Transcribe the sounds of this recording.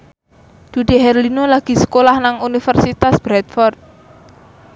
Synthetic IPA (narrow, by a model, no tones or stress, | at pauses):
d̪̥ṳd̪̥i̤ɦɛrlinolaɡ̥i̤sə̥kolahnaŋunifərsit̪asb̥ɾɛt̪̚fɔrt̪̚